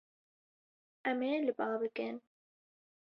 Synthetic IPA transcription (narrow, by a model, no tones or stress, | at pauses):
ʔɛmeːlɨbɑːbɨkɨn